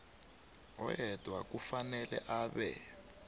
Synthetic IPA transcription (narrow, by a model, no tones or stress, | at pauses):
ɦɔ̰jɛd̥ʱwakufanɛlɛ̰ʔaːβɛ̰